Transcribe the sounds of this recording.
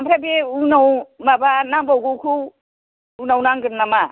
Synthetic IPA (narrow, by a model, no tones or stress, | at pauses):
ampʰɾabeunawmabanaŋbawɡuwkʰu | unawnaŋɡɯɾnama